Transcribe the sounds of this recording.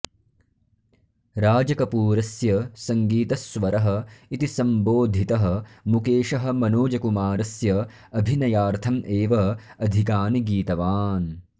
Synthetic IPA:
ɾaːd͡ʒɐkɐpuːɾɐsjɐsɐŋɡiːt̪ɐsʋɐɾɐɦɐ̆it̪isɐmboːd̪ʱit̪ɐɦɐ̆mukeːʃɐɦɐ̆mɐnoːd͡ʒɐkumaːɾɐsjɐ | ɐbʱinɐjaːɾt̪ʰɐmʔeːʋɐɐd̪ʱikaːniɡiːt̪ɐʋaːn

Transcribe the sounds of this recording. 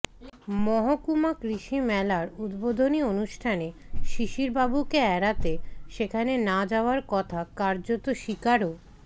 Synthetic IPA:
mɔɦokumakɾiʃimɛlaɾud̪bod̪ʱonionuʃʈʰaneʃiʃiɾbabukeɛɾat̪eʃekʰanenad͡ʑaoaɾkɔt̪ʰakaɾd͡ʑot̪oʃikaɾo

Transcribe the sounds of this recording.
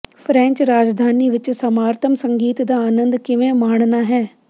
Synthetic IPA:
pʰɾɛ̃ːɲt͡ʃɾaːd͡ʒd̪ʱaːniːʋɪt͡ʃsəmaːɾt̪ʰəmsəŋɡiːt̪d̪aːaːnənd̪kɪʋẽːmaːɳnaːɦɛː

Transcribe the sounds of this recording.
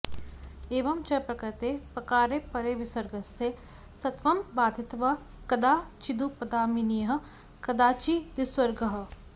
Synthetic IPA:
eːʋɐmt͡ʃɐpɾɐkɐt̪epɾɐkaːɾepɐɾeːʋɪswɐɾɡɐse | sɐt̪ʋɐmbaːd̪ʱɪt̪ʋɐ | kɐd̪aːt͡ʃid̪upɐd̪aːminijɐɦɐ̆ | kɐd̪aːt͡ʃid̪ɪswɐɾɡəɦə̆

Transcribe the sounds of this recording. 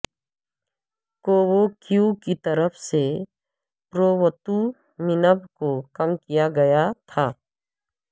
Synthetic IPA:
koːwokjukit̪ɐɾəpʰse | pɾoːwət̪u | mɪnəbkokɐmkijaɡɐjat̪ʰaː

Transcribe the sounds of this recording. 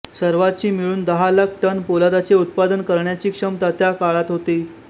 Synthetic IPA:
səɾʋat͡ɕiːmiɭuːnd̪əɦalak̚ʰʈənpolad̪at͡seut̪̚pad̪ənkəɾɳjat͡ɕiːkʂəmt̪at̪jakaɭat̪ɦot̪iː

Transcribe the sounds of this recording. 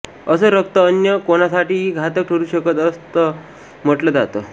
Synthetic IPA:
əsəːɾək̚t̪əːnjəkonasaʈiːiːɡʱat̪ək̚ʈʰəɾuːɕəkət̪əst̪ə | m̤əʈləd͡za̰t̪ə

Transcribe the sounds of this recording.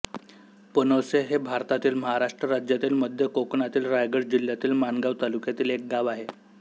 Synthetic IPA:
pənoseɦebʱaɾt̪at̪iːlməɦaɾaʂʈɾəɾad͡ʑjat̪iːlməd̪ʱjəkokɳat̪iːlɾajɡəɽd͡ʑil̤jat̪iːlmanɡaʋt̪alukjat̪iːlek̚ɡaʋaɦe

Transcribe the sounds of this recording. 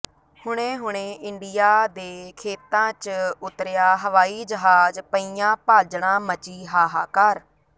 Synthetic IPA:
hʊɳ̃ẽːɦʊɽẽːɪɳɖɪjaːd̪eːkʰeːt̪ãːt͡ʃʊt̪ɾɪjaːɦəʋaːiːd͡ʒəɦaːd͡ʒpəiːãːpaːd͡ʒɳãːmət͡ʃiːɦaːɦaːkəɾ

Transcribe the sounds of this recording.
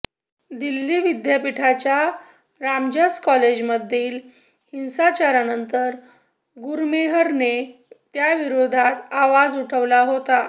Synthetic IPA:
d̪ilːiːʋid̪japiʈʰat͡ɕja | ɾamd͡ʑaskɔled͡ʑməd̪ʱːiːl | hinsat͡ɕaɾanənt̪əɾ | ɡuɾmeɦəɾnet̪jaʋiɾod̪ʱat̪aʋad͡zuʈʰəʋlaɦot̪a

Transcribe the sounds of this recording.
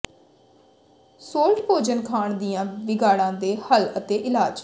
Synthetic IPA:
soːlʈboːd͡ʒənkʰaːɳd̪ijãːʋɪɡaːɽãːd̪eːhələt̪eːʔɪlaːd͡ʒ

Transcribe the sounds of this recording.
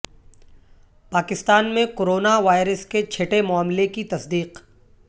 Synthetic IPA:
paːkɪst̪aːnmẽkoːɾoːnaʋaːɪɾəsket͡ʃʰeʈemʊaːmlekit̪ɐsd̪iːq

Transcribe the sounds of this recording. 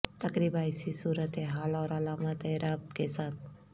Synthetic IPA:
t̪əkɾibaːjsisuːɾət̪eɦalawɾalamat̪eɾab̚kesaːt̪̚ʰ

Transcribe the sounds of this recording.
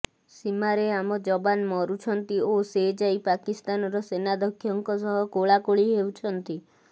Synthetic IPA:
simaɾeamɔd͡ʒɔbanmɔɾut͡ʃʰɔnt̪iosed͡ʒajpakist̪anɔɾɔsenad̪ɔkʰːjɔŋkɔsɔɦɔkoɭakoɭiɦewt͡ʃʰɔnt̪i

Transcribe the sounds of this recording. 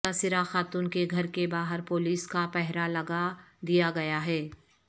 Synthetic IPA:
asɪɾaxaːt̪uːnkeɡʱɐɾkebaːɦəɾpoːliːskapɛɦɾalɐɡad̪ijaɡɐjaɦɛː

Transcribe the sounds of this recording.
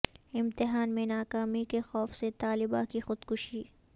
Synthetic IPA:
ɪ̃mt̪ɪɦaːnmẽnaːkaːmikexɔːfset̪aːlɪbakixʊd̪kʊʃiː

